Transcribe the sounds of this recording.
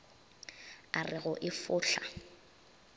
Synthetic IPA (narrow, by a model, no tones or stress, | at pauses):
arɪɣʊʔɪfʊːɬa̰